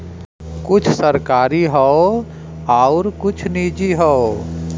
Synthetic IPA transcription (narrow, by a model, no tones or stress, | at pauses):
kʊt͡ʃʰsəɾkaːɾiɦɔo | aːʊɾkʊt͡ʃʰniːd͡ʒiɦɔo